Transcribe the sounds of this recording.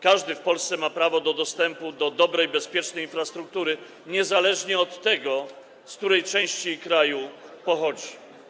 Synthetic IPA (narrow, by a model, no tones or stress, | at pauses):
kaʐd̪ɘfpɔlst̪sɛmapɾavɔd̪ɔd̪ɔst̪ɛmpud̪ɔd̪ɔbɾɛjbɛspʲjɛt͡ʂnɛjinfɾast̪ɾuk̚t̪uɾɘ | ɲɛzalɛʐɲɛɔt̪ːɛɡɔ | sk̚t̪uɾɛjt͡ʂɛ̃w̃ɕt͡ɕikɾajupɔxɔd͡ʑi